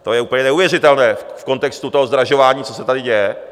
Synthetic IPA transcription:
t̪o̞jɛʔuːpl̩ɲɛnɛuvjɛrɪt̪ɛlnɛːfko̞nt̪ɛkst̪ut̪oɦo̞zd̪ɾaʒo̞vaːɲiːt͡so̞sɛt̪adɪɟɛjɛ

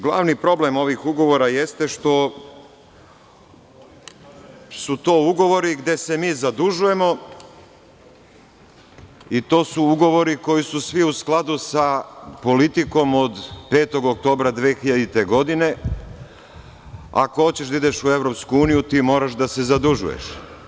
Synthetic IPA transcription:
ɡlˠa̰ːʋnipɾo̞ble̞mo̞ʋixuɡo̞ʋo̞ɾaje̞st̪e̞ʃt̪o̞ | sut̪o̞ːuɡo̞ʋo̞ɾiɡd̪e̞se̞miːzad̪uʒuje̞mo̞ | it̪o̞ːsuuɡo̞ʋo̞ɾiko̞jisusʋiusklˠad̪usapo̞lit̪iko̞mod̪pe̞ːt̪o̞ɡok̚t̪o̞ːbɾad̪ʋeːxiʎad̪it̪e̞ɡo̞d̪ine̞ | a̰koo̞t͡ɕe̞ʃd̪aid̪eʃue̞ʋɾo̞pskuuːnijut̪iːmo̞ːɾaʃd̪ase̞zad̪uʒṵjḛʃ

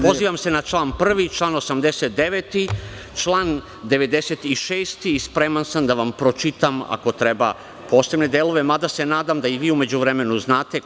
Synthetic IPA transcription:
po̞ziːʋamse̞nat͡ʃlˠaːnpr̩ʋit͡ʃlˠaːno̞samd̪eset̪̚d̪e̞ʋet̪i | t͡ʃlˠaːn | d̪e̞ʋe̞d̪e̞set̪iʃeːst̪iːspɾemansamd̪aʋampɾo̞t͡ʃit̪ama̰ko̞t̪ɾe̞ba̰ | po̞ːsebne̞d̪eːlo̞ʋe̞mad̪ase̞naːd̪amd̪aiʋiːume̞d͡ʑuʋɾeme̞nuznaːt̪e̞

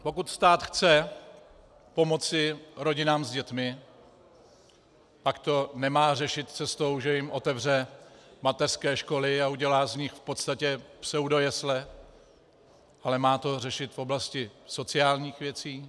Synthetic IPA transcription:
po̞kut̪st̪aːt̪xt͡sɛ | po̞mo̞t͡sɪɾo̞ɟɪnaːmzɟɛt̪mɪ | pakt̪o̞nɛmaːr̝ɛʃɪt̪t͡sɛst̪o̞wʒɛjɪmʔo̞t̪ɛvr̝ɛmat̪ɛrskɛːʃko̞lɪauɟɛlaːzɲɪxfpo̞t̪st̪acɛpsɛwdo̞jɛslɛ | ʔalɛmaːt̪o̞rɛʃɪt̪fo̞blascɪso̞t͡sɪaːlɲiːxvjɛt͡siː

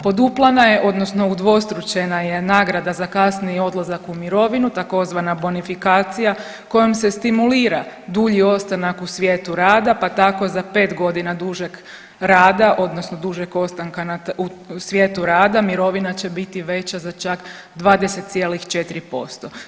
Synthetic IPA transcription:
po̞d̪uplˠanaje̞ʔo̞d̪no̞sno̞ud̪ʋo̞st̪ɾut͡ɕenaje̞naːɡɾad̪azakasnio̞d̪lˠazakumiɾo̞ʋinut̪ako̞zʋanabonifikaːt̪sija | ko̞jomsest̪imuliːɾad̪uʎio̞st̪anakusʋjet̪uɾaːd̪apat̪ako̞zape̞ːt̪ɡo̞d̪inad̪uʒek | ɾaːd̪aʔo̞d̪no̞sno̞d̪uʒeko̞st̪aŋkanausʋje̞ːt̪uɾaːd̪amiɾo̞ʋinat͡ɕe̞bit̪iʋe̞t͡ɕazat͡ʃak | d̪ʋaːd̪ese̞t̪t̪sje̞ːlixt͡ʃe̞t̪iɾipo̞̰st̪o̞

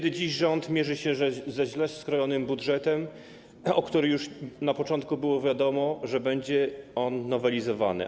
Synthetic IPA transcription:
ɛd̪ɘd͡ʑiʑʐɔnt̪mʲjɛʐɘɕɛzɛʑlɛsːkɾɔjɔnɘmbudʐɛt̪ɛm | ɔkt̪uɾɘjuʂnapɔt͡ʂɔnt̪̚kubɘwɔvʲjad̪ɔmɔʐɛbɛɲd͡ʑɛɔnːɔvɛlʲizɔva̰nɘ̰

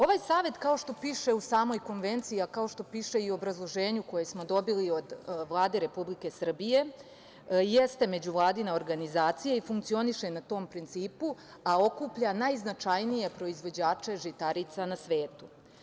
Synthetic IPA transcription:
o̞ʋaːjsaːʋe̞t̪kao̞ʃt̪o̞piːʃe̞usaːmo̞jko̞nʋe̞nt̪siakao̞ʃt̪o̞piːʃe̞ioobɾazlˠo̞ʒeːɲuko̞je̞smo̞d̪o̞bilio̞d̪ʋlˠaːd̪e̞ɾe̞publike̞sr̩bije̞ | je̞st̪e̞me̞d͡ʑuʋlˠaːd̪inao̞ɾɡanizaːt̪sijaifuŋkt̪sio̞niʃe̞nat̪o̞ːmpɾint̪siːpu | ao̞kuːpʎanajznat͡ʃajnije̞pɾo̞izʋo̞d͡ʑaːt͡ʃe̞ʒit̪aɾit̪sanasʋe̞ːt̪u

